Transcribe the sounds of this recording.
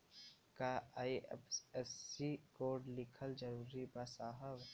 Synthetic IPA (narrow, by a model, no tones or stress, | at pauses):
kaaːiḛpsɛsikoːɾɖlɪkʰəld͡ʒɐɾuːɾibasaːɦəʋ